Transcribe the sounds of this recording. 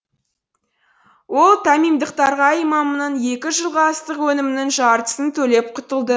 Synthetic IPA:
wo̞lˠt̪ʰæmijmd̪əq̚t̪ɑɾʁɑijmɑmənɑnje̞kʲɪʒəlˠʁɑːst̪əqwɵnɪmɪnɪŋʒɑɾt̪ə̥sənt̪ʰɵle̞p̚qʰʊt̪əlˠd̪ə

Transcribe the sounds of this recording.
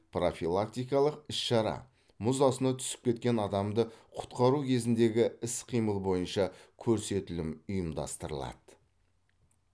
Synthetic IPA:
pro̞filˠak̚t̪ijkɑlˠəqɪsʃɑɾɑ̰ | mʊzɑsənɑt̪ʰʏ̥sɪ̥p̚kʲe̞t̪̚kʲe̞nɑd̪ɑmd̪əqʰʊ̥t̪qɑɾukʲʰe̞zɪnd̪e̞ɡʲɪɪsqʰijməlˠbo̞jənʃɑkʲʰɵɾse̞t̪ɪlɪmʊjəmd̪ɑ̰st̪əɾə̰lˠɑ̰d̪̥ə

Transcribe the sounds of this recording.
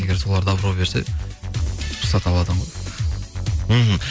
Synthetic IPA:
eɡʲeɾso̞lˠɑɾd̪ɑbəɾopbe̞ɾsḛ | sɑt̪ɑlˠɑd̪əʁoj | ɦm̩

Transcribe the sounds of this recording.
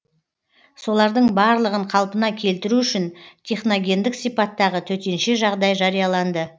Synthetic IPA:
so̞lˠɑɾd̪əɴbɑɾlˠəʁəɴqʰɑlˠpənɑkʲʰe̞lt̪ɪɾuʏʃɪnt̪ʰe̞χno̞ɡʲe̞nd̪ɪksijpɑt̪ːɑʁət̪ʰɵt̪e̞nʃe̞ʒɑʁd̪ɑjʒɑɾijɑlˠɑnd̪ə

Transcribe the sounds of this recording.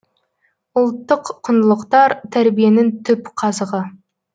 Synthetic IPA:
ʊlˠt̪ːəqʰːʊnlˠəqt̪ɑɾt̪ʰæɾbijenɪŋt̪ʰʏpqʰɑzəʁə

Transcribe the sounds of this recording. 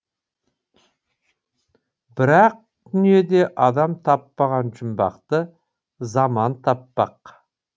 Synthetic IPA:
b̥ɪɾɑq̚ | d̪̥ʏnije̞d̪e̞ʔɑd̪ɑmt̪ʰɑpːɑʁɑnʒʊmbɑ̰qt̪ə | zɑmɑnt̪ʰɑpːɑq

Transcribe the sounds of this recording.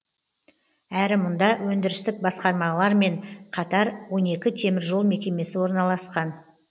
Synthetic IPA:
æɾɪmʊnd̪ɑwɵnd̪ɪɾɪst̪ɪk̚bɑsqɑɾmɑlˠɑɾme̞ɴqʰɑt̪ɑɾwo̞ne̞kʲɪt̪ʰe̞mɪɾʒo̞lˠme̞kʲe̞me̞sɪwo̞ɾnɑlˠɑsqɑn

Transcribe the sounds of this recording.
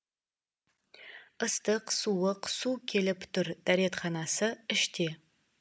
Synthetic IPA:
əstʰɨqsuwəqsuːkʲʰelɨptʰɨrd̥aɾetχɑnasɐɨʃtʰeː

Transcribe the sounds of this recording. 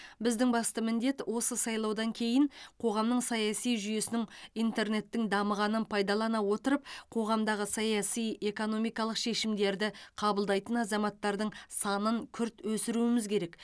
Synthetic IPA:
bɪzd̪ɪŋbɑst̪əmɪnd̪e̞t̪wʔo̞səsɑjlˠɑwd̪ɑŋkʲʰe̞jɪɴqʰo̞ʁɑmnəɴsɑjɑsijʒyje̞sɪnɪŋijnt̪e̞ɾne̞t̪ːɪŋd̪ɑməʁɑnənpʰɑjd̪ɑlˠɑnɑwo̞t̪əɾəp̚qʰo̞ʁɑmd̪ɑʁəsɑjɑsije̞ko̞no̞mijkɑlˠəqʃe̞ʃɪmd̪e̞ɾd̪ɪqʰɑbəlˠd̪ɑjt̪ənɑzɑmɑt̪ːɑɾd̪əɴsɑnəŋkʲʰʏɾt̪wɵsɪɾuɪmɪzkʲʰe̞ɾe̞k

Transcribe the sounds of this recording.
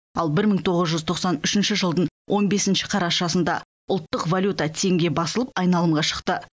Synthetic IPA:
ɑlˠbɪɾməŋt̪ʰo̞ʁəzʒʏzt̪ʰo̞qsɑnʏʃɪnʃɪʒəlˠd̪əɴwʔo̞nbe̞sɪnʃɪqʰɑɾɑʃɑsənd̪ɑ̰ | ʊlˠt̪ːəqvalʲjut̪at̪ʰe̞ŋɡʲe̞bɑsəlˠəpɑjnɑlˠəmʁɑʃə̥qt̪ə

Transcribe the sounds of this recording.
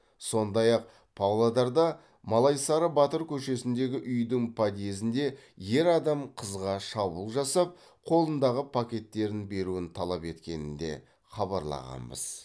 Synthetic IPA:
so̞nd̪ɑjɑq̚ | pʰawlˠad̪ɑɾd̪ɑ | mɑlˠɑjsɑɾəbɑt̪əɾkʲʰɵʃe̞sɪnd̪e̞ɡʲɪʔʏjd̪ɪŋpʰad̪ije̞zɪnd̪e̞je̞ɾɑd̪ɑmqʰəzʁɑʃɑbulˠʒɑsɑp̚ | qʰo̞lˠənd̪ɑʁəpʰakʲe̞t̪ːe̞ɾɪnbe̞ɾuɪnt̪ʰɑlˠɑpe̞t̪kʲe̞nɪnd̪e̞̰ | χɑβɑɾlˠɑ̰ʁɑ̰mbə̰z̥

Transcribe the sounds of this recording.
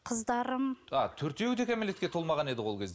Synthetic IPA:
qʰəzd̪ɑɾəmɑt̪ʰɵɾt̪e̞wɵt̪e̞kʲʰæmele̞t̪kʲeolˠmɑʁɑne̞d̪ɪwo̞lˠkʲezd̪e

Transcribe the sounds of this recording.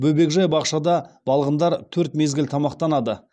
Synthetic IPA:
bɵbe̞kʒɑjbɑqʃɑd̪ɑb̥ɑlˠʁənd̪ɑɾt̪ʰɵɾt̪me̞zɡʲɪlt̪ʰɑmɑqt̪ɑnɑd̪ə

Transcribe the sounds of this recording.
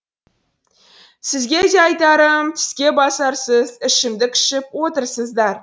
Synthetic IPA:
sɪzɡʲe̞d̪e̞ɑjt̪ɑɾəmt̪ʰɪ̥skʲe̞bɑsɑɾsəzɪʃɪmd̪ɪkʲʰɪ̥ʃɪpwo̞t̪əɾsəzd̪ɑɾ

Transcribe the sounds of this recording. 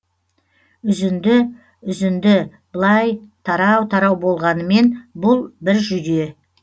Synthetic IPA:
ʏzɪnd̪ɪ | ʏzɪnd̪ɪ | b̥əlˠɑjt̪ʰɑɾɑwt̪ʰɑɾɑwbo̞lˠʁɑnəme̞nbʊlˠbɪɾʒʏd̪e̞

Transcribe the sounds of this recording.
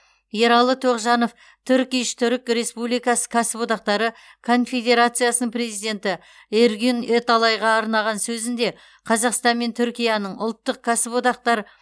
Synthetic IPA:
jeɾɑlˠət̪ʰoqʒɑno̞f | t̪ʰʏɾkʲijʃt̪ʰʏɾɪkɾe̞spublijkɑsə̥kʰɑsəpot̪ɑq̚t̪ɑɾə | kʰo̞nfʲe̞d̪e̞ɾat̪sɨjasənəɴpre̞zijd̪e̞nt̪ɪ | eɾɡʲynet̪ɑlˠɑjʁɑːɾnɑʁɑnsɵzɪnd̪e̞ | qʰɑzɑqst̪ɑnme̞nt̪ʰʏɾkʲijanəɴʊ̰lˠt̪ːəqkʰasəpot̪ɑq̚t̪ɑɾə

